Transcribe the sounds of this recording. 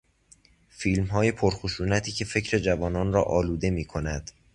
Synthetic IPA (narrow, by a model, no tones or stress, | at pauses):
fiːlmɦɒːje̞pʰoɾxoʃuːnæt̪ʰiːcʰe̞fe̞cʰɾe̞d͡ʒævɒːnɒːnrɒ̰ːʔɒːluːd̪e̞miːkʰo̞næd̪̥